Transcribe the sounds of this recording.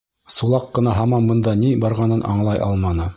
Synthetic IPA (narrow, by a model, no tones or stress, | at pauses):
sulˠɑqːɤ̆nɑɦɑmɑmbɤ̆nd̪ɑnibɑɾʁɑnɤnʔɑ̰ɴlˠɑjʔɑ̰lˠmɑnɤ